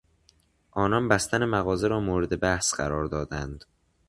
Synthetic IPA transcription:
ʔɒːnɒnbæst̪ænemæɣɒːzeɾɒːmoːɾed̪e̞bæhsɢ̥æɾɒːɾd̪ɒːd̪ænd̪̥

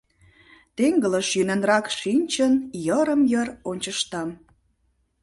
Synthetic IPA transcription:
t̪eŋɡələʃjynenrɑkʃinʲt͡ɕənjəɾəmjəronʲt͡ɕəʃt̪ɑm

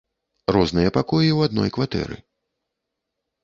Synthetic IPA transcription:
rɔznɨjɐpakɔjiwad̪nɔjkvat̪ɛ̰ɾɨ̰

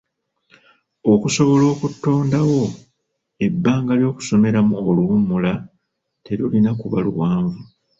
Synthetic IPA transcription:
o̞kuso̞βo̞lo̞ːkutːo̞ːndawo̞ | e̞bːaːŋɡaljo̞ːku̥so̞me̞ɾamuoluumula | te̞ɾulinakuβa̰lṵwaːɱvu

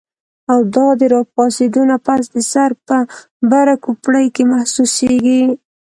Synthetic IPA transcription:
awd̪ɑd̪əɾɑp̚ɑsed̪unapas̬d̪əsaɾpə | baɾakupɽəjkemahsuseɡi

